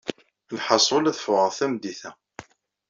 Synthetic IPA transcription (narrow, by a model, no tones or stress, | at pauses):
lħɑsˤolæθəfʊʁəθæmd̪iθæ